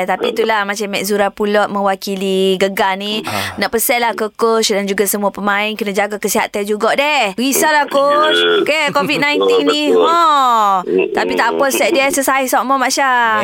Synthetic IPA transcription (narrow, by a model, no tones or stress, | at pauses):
t̪apit̪ulahmat͡ʃamːɛʔzuɾapulɔʔmə̃wakiliɡəɡaninaʔpəsɛʔlahkəkosdand͡ʒuɡasəmuapəmãinkənad͡ʒaɡakəsiɦa̰t̪and͡ʒuɡɔʔdɛhwisalahkot͡ʃkekovid̪̚najnt̪innĩɦɔ | t̪apit̪aʔpɔlsɛʔ̚diəsəsaihsɔʔmɔmaʃa